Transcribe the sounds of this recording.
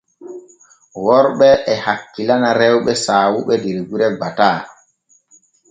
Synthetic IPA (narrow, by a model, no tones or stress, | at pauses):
wɔɾɓɛʔɛhakːilanaɾɛwɓɛsaːwuɓɛdɛɾɡuɾɛbataː